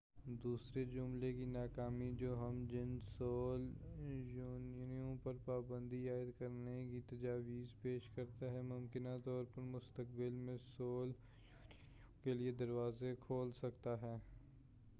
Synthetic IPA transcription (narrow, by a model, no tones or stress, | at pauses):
d̪uːsɾed͡ʒʊmlekinaːkaːmid͡ʒoːɦɐmd͡ʒɪnsoːljuːnijõpɐɾpaːbə̃nd̪iaːɪd̪kɐɾnekit̪ɐd͡ʒaːʋiːzpeːʃkɐɾt̪aɦɛmʊmkɪnat̪ɔːɾpɐɾmʊst̪ək̚bɪlmẽsoːl | kelied̪ɐɾʋaːzekʰoːlsɐkt̪aɦɛː